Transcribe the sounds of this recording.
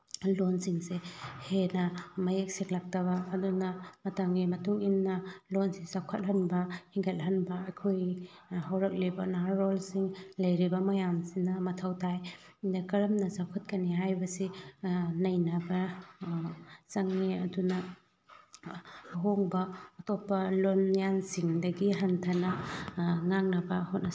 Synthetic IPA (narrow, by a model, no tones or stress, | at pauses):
lonsiŋsehenɐmɐjek̚siŋlak̚tɐβɐːdunɐmɐtɐŋimɐtuŋinːɐlonsizawkʰɐt̚ɦɐnbɐhiŋɡʰɐt̚ɦɐnbɐɐkʰojɦawɾɐk̚libɐnaaːolsiŋlɐjɾibɐmɐjamsinɐmɐtʰɐwtʰaj | akɐɾɐmnɐzawkʰɐt̚kɐniɦajbɐsi | nɐjnɐbɐ | saŋːeɐdunɐ | ɦoŋbɐːtʰopːɐlonjansiŋdɐɡiɦɐntʰɐnɐ | ŋaŋnɐbɐhot̚nɐ